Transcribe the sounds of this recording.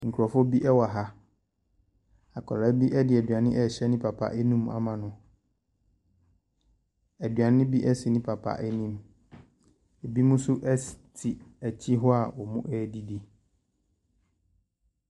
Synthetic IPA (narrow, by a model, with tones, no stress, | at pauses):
ŋ̩˨kʰu˨ɾɔ˨fɔ˦bi˦ʔɛ˦wa˨ɦa˦ | a˨kʰɔ̰˨la˨˦bi˦ʔɛ˦dɪ˨æ˨dɥa˨nɪ̃˦ʔɛ˦˨ɕɛ˦nɪ̃˦pʰa˨pʰa̰˦ʔɛ˦nũ˦m˦a̰˨mã˨nʊ̃˨ | æ˨dɥa˨nɪ̃˦bi˦ʔɛ˦sɪ˨nɪ̃˦pʰa˨pʰa̰˦ʔɛ˦nĩ˦m | e˨bi˦mʊ̃˦sʊ˦ʔɛ˦stʰi˨æ˨t͡ɕʰi˦ɦʊ˦a˨wɔ˨mũ˦ʔɛː˦di˨di˦